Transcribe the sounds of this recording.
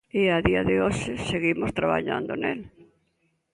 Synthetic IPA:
ɪaðiɐðɪoʃɪseɣimost̪ɾaβa̰ʎa̰nd̪onḛl

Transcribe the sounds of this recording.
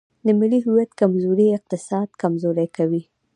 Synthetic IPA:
d̪əmɪliɦuwad̪kamzoɾiɪq̚t̪ɪsɑd̪̚kamzoɾajkawi

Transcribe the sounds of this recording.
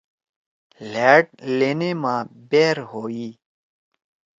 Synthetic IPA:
leːʈ̚leːneːmãːbeːɾɦoːiː

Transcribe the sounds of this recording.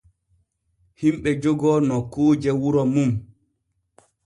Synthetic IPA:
himɓɛd͡ʒɔɡɔnɔkoːd͡ʒɛwuɾɔmum

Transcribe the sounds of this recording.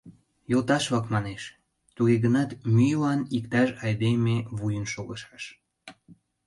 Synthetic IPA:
jolt̪ɑʃβɑkmɑneʃ | t̪uɣeɣənɑt̪myjlɑnikt̪ɑʃɑjd̪emeβujənʃoɣəʃɑʃ

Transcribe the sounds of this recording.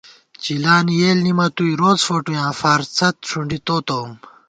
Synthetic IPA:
t͡ɕilaːnijeːlnimɐt̪uiɾoːzfoʈujãːfaːɾt͡sʰɐt̪̚ʂuɳɖit̪oːt̪oːm

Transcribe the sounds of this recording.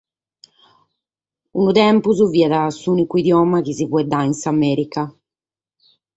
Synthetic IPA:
unut̪ɛmpuzuviːɛðasuːnikuid̪jɔːmak̟izivɔɛd̪ainsamɛːɾika

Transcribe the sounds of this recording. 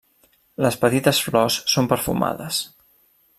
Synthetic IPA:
ləspət̪it̪əsflɔsːompəɾfṵma̰ðəs

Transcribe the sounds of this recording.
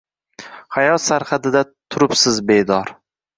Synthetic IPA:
hajɒt̪saɾχad̪ɪd̪at̪ʰʊɾɪpsɪzbe̞jd̪ɒɾ

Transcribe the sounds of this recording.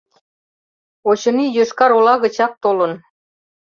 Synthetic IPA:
ot͡ɕɤ̆nijøʃkɑɾolɑɣə̆t͡ɕɑk̚t̪olə̆n

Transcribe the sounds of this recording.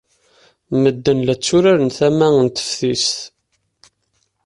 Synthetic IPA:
məd̪ːənlæt͡sːuɾæɾənθæmæənt̪ə̥fθisθ

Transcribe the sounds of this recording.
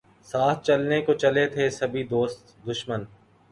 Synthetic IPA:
saːt̪ʰt͡ʃɐlnekot͡ʃɐlet̪ʰesɐbʱid̪oːst̪ | d̪ʊʃmən

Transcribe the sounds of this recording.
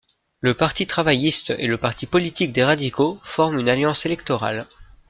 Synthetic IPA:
ləpaʁt̪it̪χavajist̪ḛləpaʁt̪ʰipɔlit̪ik̚d̪eʁad̪ikofɔʁmynaljɑ̃selɛk̚t̪ɔʁa̰l

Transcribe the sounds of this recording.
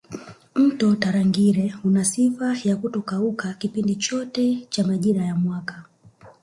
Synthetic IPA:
m̩tɔtaɾaŋɡiɾɛhunasifajakutɔkaukakipindit͡ʃɔtɛt͡ʃamaʄiɾajamwaka

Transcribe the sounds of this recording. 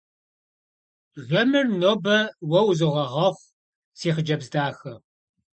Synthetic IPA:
ʒɐmɨrnoːbɐwɐwzɨʁɐʁɐχʷ | siːχd͡ʒɐbzdaːxɐ

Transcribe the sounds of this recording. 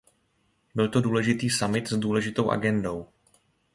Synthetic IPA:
bɪlt̪o̞duːlɛʒɪt̪iːsamɪt̪zduːlɛʒɪt̪o̞wʔa̰ɡɛndo̞w

